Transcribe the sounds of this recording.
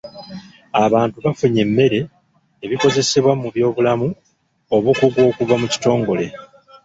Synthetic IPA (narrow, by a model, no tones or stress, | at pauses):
aβaːntuβafuɲe̞mːe̞ɾe̞ː | βiko̞ze̞se̞βwamuβjo̞ːβulamu | oβukuɡwo̞ːkuvamuci̥to̞ːŋɡo̞le̞